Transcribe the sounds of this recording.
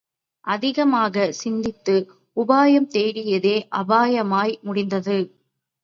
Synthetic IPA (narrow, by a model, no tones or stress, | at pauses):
ʔɐðɪɣɐmaːɣɐsɪnd̪ɪt̪ːɯ | ʊbaːjɐmt̪eːɾɪjɐðeːʔɐbaːjɐmaːjmʊɽɪnd̪ɐðɯ